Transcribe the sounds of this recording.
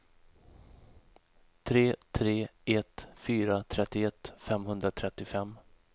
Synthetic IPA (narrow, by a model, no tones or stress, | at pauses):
t̪ʰɾeːt̪ʰɾeːɛt̪fyːɾat̪ʰɾɛt̪ːɪɛt̪ːfɛmɦɵnd̪ɾat̪ʰɾɛt̪ːɪfɛmː